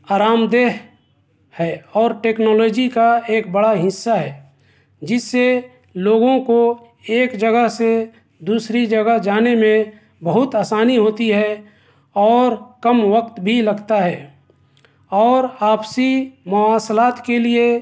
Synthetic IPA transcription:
aːɾaːmd̪eːɦ | hɛːɔːɾʈeːknɔːloːd͡ʒikaeːkbəɽaɦɪsːaɦɛː | d͡ʒɪsːe | loːɡõko | eːkd͡ʒəɡəɦse | d̪uːsɾid͡ʒəɡəɦd͡ʒaːnemẽ | bəɦʊt̪aːsaːniɦoːt̪iɦɛ | ɔːɾkəmʋəkt̪bʱilɐɡt̪aɦɛː | ɔːɾaːpsimʊaːslaːt̪kelie

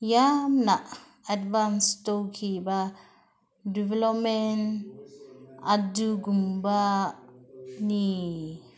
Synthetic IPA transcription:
jamnaʔ | advanstokʰiba | divɛlɔp̚mɛn | aduɡumba | ni

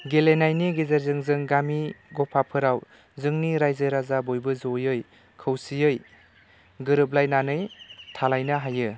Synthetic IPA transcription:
ɡelenajniɡezeɾzɯŋzɯŋɡamiɡɔpʰapʰɯɾaw | zɯŋniɾajzɯɾazabojbɯzojɯj | kʰɯwsijɯj | ɡɯɾɯp̚lajnanɯjtʰalajnaɦajɯ

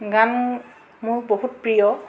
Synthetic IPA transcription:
ɡam | muɹboɦut̚pɹijɔ

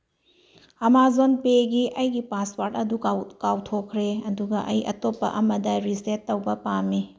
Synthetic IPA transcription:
ɐmazonpeɡiʔɐjɡipaspaɾtɐdukawtʰokʰːɾeɐduɡɐʔɐjɐ̰topːɐ̰ʔɐmɐdɐɾisetːɐwbɐpamːi

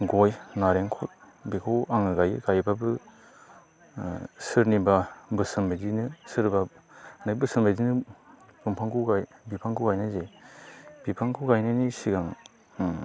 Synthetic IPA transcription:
ɡɔjnaɾeŋkʰɔt̚ | bikʰɔwaŋɯɡajɡajbabɯ | sɯɾnibabɯsɯmbajzinɯsɯɾbanabɯsɯmbajzinɯbɯmpʰaŋkʰuɡajbipʰaŋkʰuɡajnajze | b̥ipʰaŋkʰuɡajnajnisiɡaŋ

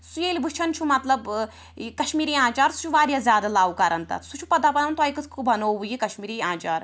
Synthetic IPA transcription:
sujeːlʲibɨt͡ʃʰɐnt͡ʃʰumɐt̪lɐb | kɐʃmiːɾiːãːt͡ʃaːɾsu̥t͡ʃʰuʋaːɾʲjazʲjaːd̪alaːwkɐɾɐnt̪ɐ̰sut͡ʃʰupɐd̪aːpɐnɐnt̪ajkɨt̪ʰkɨbɐnoːbujikɐʃmiːɾiːãːt͡ʃaːɾ

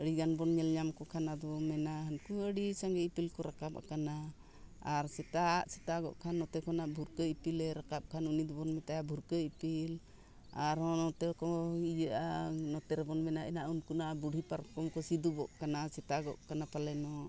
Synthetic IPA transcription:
əɽiɡanbɔnɲɛlɲamkɔkʰanad̪ɔmɛnaɦənkuəɽisaŋɡɛipilkɔɾakap̚a̰kana | aɾsɛt̪aʔsɛt̪aɡɔ̰ʔkʰanːɔt̪ɛkʰɔnaʔbʱuɾkəipilɛɾakap̚kʰanunid̪ɔbɔnmɛt̪ajabʱuɾkəipil | aɾɔnɔt̪ɛkɔid͡ʒəʔanɔt̪ɛɾɛbɔnmɛnaʔɛnaʔunkunaʔabuɽʱipaɾkɔmkɔsid̪ubɔʔkanasɛt̪aɡɔ̰ʔkanapalɛnɔ

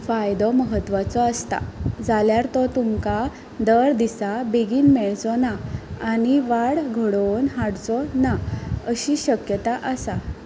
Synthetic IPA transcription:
fajd̪ɔməɦət̪ːʋat͡sɔəst̪a̰d͡zaljaɾt̪ɔt̪umka | d̪əɾd̪isabeɡiːnmɛɭt͡sɔnaːñiʋaɽɡʱəɽonɦaɽt͡sɔnaəɕiɕəkjət̪aʔəsa

